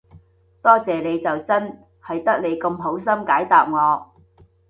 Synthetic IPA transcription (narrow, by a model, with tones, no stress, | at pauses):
t̪ɔː˥t͡sɛː˨le˨˧jt͡sɐ˨wt͡sɐ˥n | hɐ˨jt̪ɐ˥k̚le˨˧jkɐ˧mɦo˨˥ws̬ɐ˥mkaː˨˥jt̪aː˨p̚ŋɔː˨˧